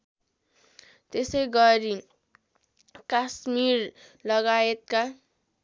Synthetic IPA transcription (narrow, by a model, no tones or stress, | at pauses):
t̪esʌjɡʌɾi | kasmirlʌɡaet̪̚ka